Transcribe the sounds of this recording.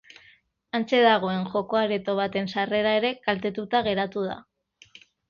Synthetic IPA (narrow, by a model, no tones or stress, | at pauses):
ant͡se̞ðaɣ̞o̞e̞nʝo̞ko̞aɾet̪o̞βat̪e̞nsare̞ɾae̞ɾe̞kalt̪e̞t̪ut̪aɣe̞ɾat̪uð̞a̰